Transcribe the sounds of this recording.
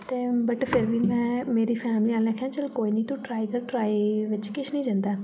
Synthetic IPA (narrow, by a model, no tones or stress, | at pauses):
t̪eːbəʈpʰɪɾʋiːmɛ̃ːmeːɾiːpʰɛːmliːaːlẽːkʰãːt͡ʃəlkoːiːnəĩːt̪ũʈɾaːiːkəɾʈɾaːiʋɪt͡ʃkɪʃʰnəĩːd͡ʒə̃nd̪aː